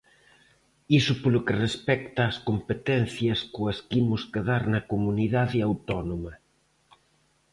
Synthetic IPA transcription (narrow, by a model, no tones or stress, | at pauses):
isʊpolʊkerespɛkt̪ɐːskompet̪ɛn̟θjɐskʊɐskimʊskeðaɾnɐkomuniðaðɪawt̪ɔnomɐ